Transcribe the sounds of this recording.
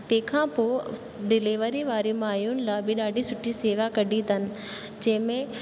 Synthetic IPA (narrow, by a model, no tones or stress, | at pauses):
t̪ẽːkʰãːpoː | ɖɪlɪːʋəɾiʋaːɾimaːjunɪlaːbɪɗaːɖʱisʊʈʰːiseːʋakɐɖʱit̪ʰənɪ̆ | d͡ʑɐ̃ɦɪ̃mẽ